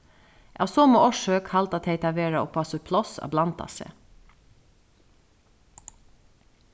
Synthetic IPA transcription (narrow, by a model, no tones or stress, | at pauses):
ʔɑ̰ːsoːmoːɔʃøːkhɑlt̪ɑt̪heɪt̪ʰɑʋeːɹɑo̰ːpʰɑsɔpʰlɔsɑ̰ːblɑnt̪ɑ̰sḛ